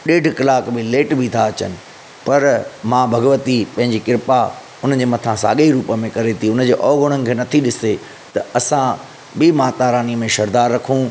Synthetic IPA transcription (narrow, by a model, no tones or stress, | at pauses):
ɗeːɖʱkɐlaːkbɪleːʈbʱit̪ʰaɐt͡ɕə̰nɪ̆ | pɐɾmãːbʱɐɡʋət̪ipɐ̃ɦɪ̃ɲd͡ʑikɪɾpa | ʊn̤ən̆d͡ʑeːmɐt̪ʰãsa̰ːɠeiɾuːpəmẽkɐɾet̪ʰiʊnəd͡ʑeːʔɔːɡʊɽ̃ənɪ̆kʰeːnɐt̪ʰiɗɪse | t̪ɐɐsã | bɪmaːt̪aːɾaːniəmẽʃɐɾd̪aːɾːɐkʰũː